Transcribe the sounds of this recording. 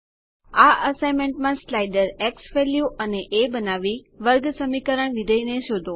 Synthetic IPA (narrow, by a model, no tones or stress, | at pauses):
aʔəsajmeɳʈmãslajɖəɾeksʋeljuʔəneʔebənaʋi | ʋəɾɡsəmikəɾəɳʋid̪ʱəineʃod̪ʱo